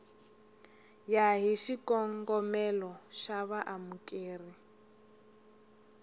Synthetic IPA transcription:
jaɦiʃikɔŋɡɔmɛlɔʃaβaʔamukʼeːri

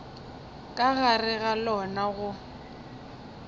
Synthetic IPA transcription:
kʼaɣarɪɣalɔnaɣʊ

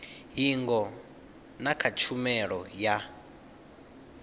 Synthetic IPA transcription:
ɦiŋɡɔ | nakʰat͡ʃʰumɛɺɔja

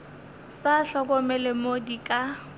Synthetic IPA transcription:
saɬɔk̬ɔmɛlemodikʼa

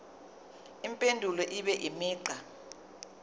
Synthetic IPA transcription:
impʼendʱulɔʔiɓɛʔimiːǀa

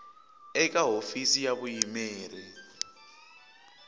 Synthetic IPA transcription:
ɛk̬ʼaɦofisijaɓujimɛːɾɛ

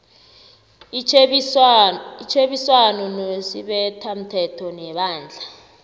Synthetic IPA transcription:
it͡ʃʰeɓiswanɔnosḭɓɛtʰam̩tʰɛtʰɔnɛɓaːnd͡ɮʱa

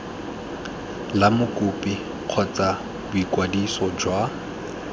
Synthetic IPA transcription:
lamʊkʼʊpʼi | q͡χʰɔt͡sʼa | bʊikwadisɔd͡ʒwa

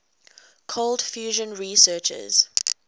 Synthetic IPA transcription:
kʰoldfjuːʒə̃nɹisɜːt͡ʃə̰z̥

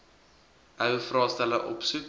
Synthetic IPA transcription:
ʔœwfrɑːstæləʔɔpsuk

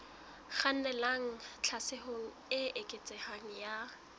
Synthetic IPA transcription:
χan̩nɛlaŋ̩t͡ɬʰasɪhoŋ̩ɪekʼet͡sʼɛhaŋ̩ja

